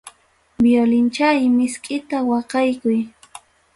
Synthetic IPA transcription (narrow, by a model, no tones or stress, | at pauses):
bjolɪnt͡ʃajmɪskʼɪt̪awɑqɑjkʊj